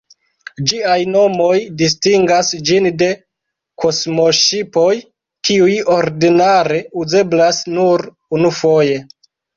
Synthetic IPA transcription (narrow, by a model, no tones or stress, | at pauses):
d͡ʒiajno̞mo̞jdis̬tiŋɡasd͡ʒinde̞ | kʰo̞smo̞ʃipo̞j | kiujo̞ɾdinaɾe̞uze̞blasnuɾ | unufo̞je̞